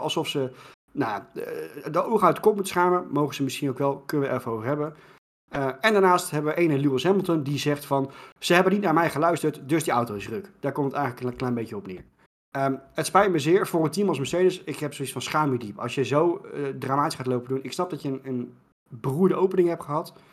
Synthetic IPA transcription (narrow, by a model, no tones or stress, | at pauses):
ɑ̰lˠsɔfsə | naja | dəowəχaɥtə̥kɔp̚mutsχaːməmowχəzəmɪsχinowkʋɛlˠkɵnəʋəʔɛɹfəowvəɹɦɛbən | əɛndaɹnaːstɦɛbəʋəʔejnəluɪsɦɛməlˠtəndizɛχtfɑnz̥əɦɛbənitnaːɹmɛjχəlœɥstəɹtdɵsdiawtowɪs̬røkd̥aːɹkɔmtətɛjχələkənklɛjnbejcəɔpnɪ̰ːɹ | əətspɛjt̚məzɪːɹvʊːɹəntimɑlˠs̬məsejdəsɪkɦɛpsoitsfɑnsχaːmidipɑ̰lˠsjəzowdraːmaːti̥sχaːtlowpədunɪksnɑp̚dɑtjənən | bəruːɹdəʔowpənɪŋɦɛp̚χəɦɑt